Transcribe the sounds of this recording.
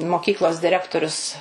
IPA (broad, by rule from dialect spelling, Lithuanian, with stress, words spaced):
moːˈkʲiːklˠoːs dʲɪˈrʲæːktoːrʲʊs